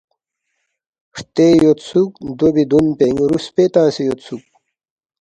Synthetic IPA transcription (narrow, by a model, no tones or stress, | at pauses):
ʂt̪eːjot̪suk̚d̪obid̪unpeŋɡɾuspet̪ãːsejot̪suk̚